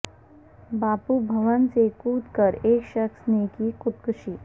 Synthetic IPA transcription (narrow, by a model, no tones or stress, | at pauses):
baːpubʱɐʋənsekuːt̪kəɾeːkʃəksnekikʊt̪kʊʃiː